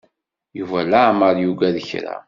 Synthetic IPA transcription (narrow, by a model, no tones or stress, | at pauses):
juvælaʕməɾjuɡæðəçɾa̰